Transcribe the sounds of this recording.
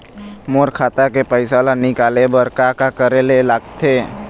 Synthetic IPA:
moːɾkʰaːt̪akepəɪsalanɪkaːlebəɾkakakəɾelelaːɡt̪ʰe

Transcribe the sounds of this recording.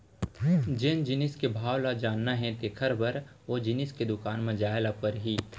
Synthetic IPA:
d͡ʒɪnd͡ʒɪnɪskebʱaːwlad͡ʒaːnːaɦɛ̃t̪ekʰəɾbəɾ | od͡ʒɪnɪsked̪ʊkaːnmɐ̃d͡ʒaːjlapɐɾɦiː

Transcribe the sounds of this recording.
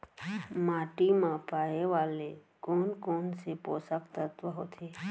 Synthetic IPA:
maːʈimãpaːeʋaːle | kɔːnkɔːnsepoːsəkt̪ət̪ʋəɦot̪ʰeː

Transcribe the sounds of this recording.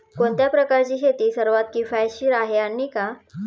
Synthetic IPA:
koɳt̪japɾəkaɾt͡ɕiːɦet̪iːsəɾʋat̪̚kifajɕiːɾaɦeanːiːka

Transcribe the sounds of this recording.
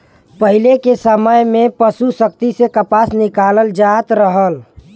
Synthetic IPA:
pəɦilekesəməjmẽpəsusək̚t̪isekəpasnikaləld͡ʒat̪ɾəɦəl

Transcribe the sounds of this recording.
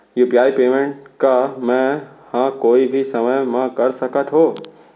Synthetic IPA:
jupijaːipeːmẽɳʈkamɛ̃ | hãːkoːibʱisɐməjmãkɐɾsɐkət̪ʰɦoː

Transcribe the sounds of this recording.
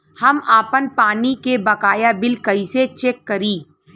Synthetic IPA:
hɐmaːpənpaːnikebɐkaːjabɪlkɐiset͡ʃeːkːɐɾiː

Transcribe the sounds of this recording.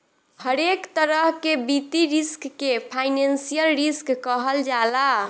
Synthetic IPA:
həɾekt̪əɾəɦkebit̪iɾiskːepʰajnensijəlɾiskːəɦəld͡ʒala

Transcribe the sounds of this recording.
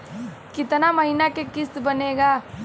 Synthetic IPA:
kɪt̪namɐɦinakekɪst̪bɐneːɡaː

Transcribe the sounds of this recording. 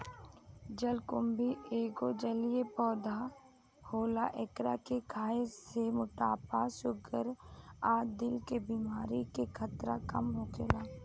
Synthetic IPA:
d͡ʒəlkʊmbieːɡod͡ʒəlijepɔːd̪a | hoːlaʔɪkɾa̰kekʰaːesemʊʈaːpasʊɡəɾaːd̪ɪlkebiːmaːɾikekʰət̪ɾa̰kəmɦoɡeːlaː

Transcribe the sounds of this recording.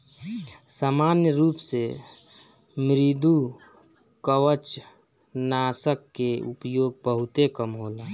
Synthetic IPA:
saːmaːnjəɾuːpse | mɾid̪u | kəwət͡ʃ | naːsəkːeʊ̰pjoːɡbəɦʊt̪ekəmɦoːlaː

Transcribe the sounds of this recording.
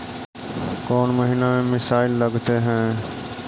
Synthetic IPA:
kɔːnmɐɦinamẽmɪsaːɪlːɐɡt̪eɦɛ̃ː

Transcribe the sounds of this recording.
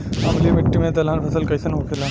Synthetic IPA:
ɐmlimɪʈːimẽt̪ɐlaːnpʰɐsəlkɐisɐnɦokʰela

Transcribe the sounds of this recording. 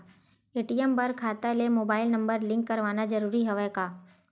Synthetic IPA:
eːʈijɛmbɐɾkʰaːt̪alemoːbaːɪlnɐ̃mbəɾlɪ̃ŋkːɐɾʋaːnad͡ʒɐɾuːɾiɦɛʋɛkaː

